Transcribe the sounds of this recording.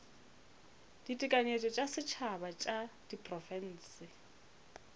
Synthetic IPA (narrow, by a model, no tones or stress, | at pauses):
d̥itʼɪkʼaɲet͡ʃʼɔt͡ʃʼasɪt͡ʃʰabat͡ʃʼad̥ipʼrɔfɛn̩ːsɪ